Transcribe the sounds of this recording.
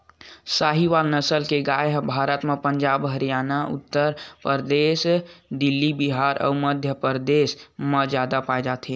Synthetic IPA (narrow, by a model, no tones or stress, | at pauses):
saɦiʋalnəsəlkeɡajɦbʱaːɾət̪mepəɲd͡ʒaːbɦəɾijaːnaʊ̰t̪ːəɾpəɾd̪eːsd̪ilːibiɦaɾʔɔ̰məd̪ʱjəpəɾd̪eːsmə̃d͡ʒad̪apaed͡ʒaːt̪ʰe